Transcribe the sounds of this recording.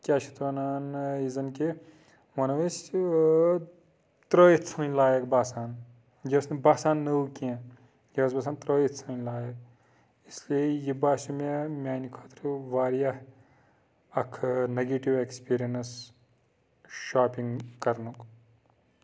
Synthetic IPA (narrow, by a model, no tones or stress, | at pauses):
kʲaːt͡ʃʰi̥t̪ʋɐnaːnizɐnki | ʋɐnɐʋɐs | t̪ɾoːjit̪sʰɐːnʲlaːjɐkbaːsaːn | d͡ʒɐsnɐbaːsaːnːɐukiẽ | jɐɐsbɐːsaːnt̪ɾoːjit̪sʰɐnʲlaːjɐk̚ | isliejibaːsʲumemʲaːnikʰoːt̪ɾiʋaːɾijɐh | ɐkʰneɡeːʈiʋekspiːɾijɐnɐs | ʃaːpiŋɡkɐɾnuk